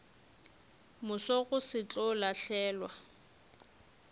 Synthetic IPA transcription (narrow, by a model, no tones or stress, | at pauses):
mʊsɔɣʊsɪt͡ɬʼɔlaɬɛːlwa